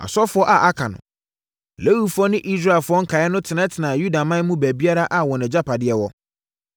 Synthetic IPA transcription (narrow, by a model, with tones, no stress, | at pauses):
a̰˨sɔ˦fʊ˦ɔ˦ʔa˨ʔa˦kʰã˨nʊ̰̃˨ | le˦wi˦fʊ˦ɔ˦nɪ̃˦ʔi˦s̬ɾa˦˨ɛ˨lfʊ˦ɔ˦ŋ̩˦kʰa˨jɛ˦nʊ̃˦tʰɪ˨nã˦tʰɪ˨nãː˨ju˦da˨mã˦n˦mũ˦bæ˨bi˦a˦ɾa˦ʔa˨wɔ˨nɛ̃˨d͡ʑa˦pʰa˨dɪ˦ɛ˦wɔ˦